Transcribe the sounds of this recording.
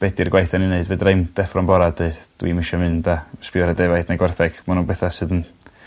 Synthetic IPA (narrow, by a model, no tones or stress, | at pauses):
b̥ɛdirɡwajθɛnineɨdvɨdrejmd̥ɛfrɔmbɔɾadeɨd̥d̥wimɪʃɛmɨndaspɪɔɾɛdɛvajdnaɡwɛrθɛɡ̥manunbɛθasɨːdən